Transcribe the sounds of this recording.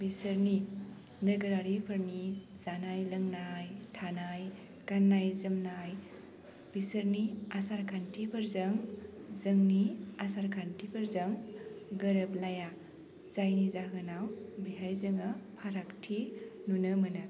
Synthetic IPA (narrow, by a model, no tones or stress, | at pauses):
bisəɾni | nəɡəɾaɾipʰəɾni | zanajlɐŋnajtʰanaj | kanːajzɐmnaj | b̥isəɾniasaɾkʰantʰipʰɐɾzɐŋzəŋniasaɾkʰantʰipʰɐɾzaŋɡəɾəplaja | z̥ajnizaɦɯnawbiɦajzɯŋɐpʰaɾaktʰinunɯmɯnɯ